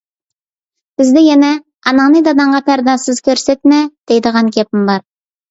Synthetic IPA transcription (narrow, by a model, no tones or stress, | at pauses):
b̥ɪzd̪ɪjɛnɛ | ɑnɑnɨd̪ɑd̪ɑɴʁɑpʰæɾd̪ɑsɨzkʲʰøɾsɛt̪mɛd̪̥ejd̪əʁɑnkʲʰep̚ɪmbɑɾ